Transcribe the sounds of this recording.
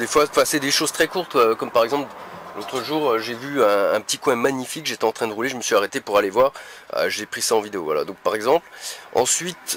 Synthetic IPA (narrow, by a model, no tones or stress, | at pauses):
d̪efwafɛ̃sɛd̪eʃoz̥t̪χɛkuʁt̪kɔmpaʁɛɡzɑ̃pllot̪χəʒuːʁøʒevyɛ̃ɛ̃pə̥t̪ikwɛ̃maɲifikʒet̪ɛɑ̃t̪χɛ̃d̪əʁuleʒəməsɥiaʁet̪epuʁalevwaʁø̰ʒepχisaɑ̃vid̪eo̰vwa̰la̰d̪ɔ̃k̚paʁɛɡzɑ̃plɑ̰̃sɥit̪